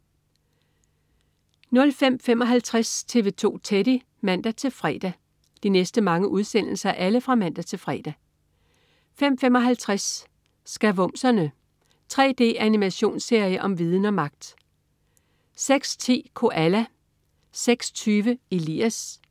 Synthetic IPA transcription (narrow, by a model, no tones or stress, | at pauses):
nɔ̽lfem̰femɒ̽ɦælt͡sʰʁast͡sʰe̝ʋe̝ːt͡sʰo̝̰ːt͡sʰeɾ̥i | mæn̰d̥æt͡sʰe̝lfʁɛ̰ːd̥æ | d̥inesd̥əmɑ̈ŋəʔuðˠsen̰l̩sɐʔæləfʁɑ̈mæn̰d̥æt͡sʰe̝lfʁɛ̰ːd̥æ | fem̰fem̰ɒ̽ɦælt͡sʰʁas | sɡ̥æʋɔ̽m̰sɐnə | t͡sʰʁɛ̰ːd̥e̝̰ːʔænimæɕo̝̰ːnse̝ɐ̰jəʔɒ̽mʋiːð̞ˠn̩ɒ̽mɑ̈ɡ̥̚d̥ | seɡ̥st͡sʰe̝̰ːkʰo̝ʔælæ | seɡ̥sɒ̥t͡sʰyːʋəelḭːæs